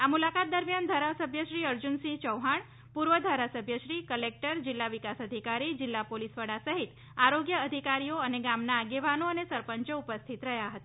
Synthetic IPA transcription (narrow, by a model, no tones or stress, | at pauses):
amulakat̪̚d̪əɾmjand̪ʱaɾasəbʱjəʃɾiəɾd͡ʒunsit͡ʃəwɦaɳ | puɾʋəd̪ʱaɾasəbʱjəʃɾikəlek̚ʈəɾd͡ʒɪlːaʋikasəd̪ʱikaɾid͡ʒɪlːapolisʋəɽasəɦit̪ | aɾoɡjəːd̪ʱikaɾijoəneɡamnaːɡeʋanoənesəɾpəɲt͡ʃəupəst̪ʰit̪ɾəɦjaɦət̪a